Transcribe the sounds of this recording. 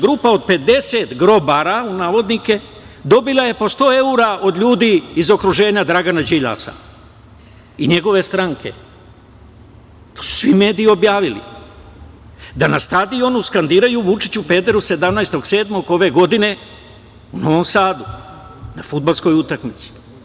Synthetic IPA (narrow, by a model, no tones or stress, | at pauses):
ɡɾuːpao̞d̪̚pe̞d̪e̞se̞t̪ɡɾo̞baɾaunaːʋo̞d̪nike̞ | d̪o̞bilˠaje̞po̞st̪o̞ːe̞uɾaʔo̞d̪ʎuːd̪iizo̞kɾuʒe̞ːɲad̪ɾaɡanad͡ʒiʎa̰sa̰ | iɲe̞ɡo̞ʋe̞st̪ɾaŋke̞̰ | t̪oːsu̥sʋime̞ːd̪iio̞bjaːʋilḭ | d̪anast̪ad̪io̞nuskand̪iːɾajuʋut͡ʃit͡ɕupe̞ːd̪eɾuse̞d̪amnajst̪o̞ɡse̞ːd̪mo̞ɡo̞ʋe̞ɡo̞d̪ine̞ | uno̞ʋo̞msaːd̪u | nafud̪̚balsko̞jut̪akmit̪si̥